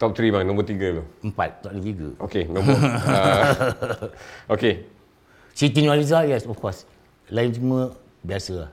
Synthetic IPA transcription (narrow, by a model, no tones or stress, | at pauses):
t̪ɔp̚t̪ɾibaŋnɔ̃mbət̪iɡəloəmpa̰t̪̚tɔp̚lət̪iɡə̰okenãməa | ʔoke | sit̪inalizajɛsɔfkɔs | laint͡ʃumə | biasəa